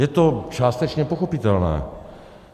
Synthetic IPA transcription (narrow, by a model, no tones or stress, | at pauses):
jɛt̪ot͡ʃaːst̪ɛt͡ʃɲɛpoxo̞pit̪ɛlnɛ̰ː